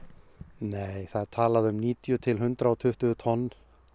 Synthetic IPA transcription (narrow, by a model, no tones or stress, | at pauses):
neːjθaðt̪ʰaːlaðʏmniːt̪jʏt̪ʰɪlɦʏnt̪ɾaɔt̪ʰʏht̪ʏt̪ʰɔnː